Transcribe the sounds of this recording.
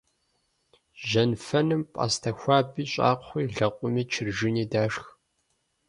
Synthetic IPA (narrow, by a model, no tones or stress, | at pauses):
ʒɐnfɐnɨmpʼa̰ːstʰɐxʷɑːbiːɕʼa̰ːqʷχʷiːɮɐqʷʼʊmiːt͡ʃʰɪrʒɪniːdaːʂx